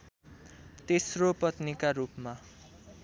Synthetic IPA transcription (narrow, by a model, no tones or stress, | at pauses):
t̪esropʌt̪nikaɾupma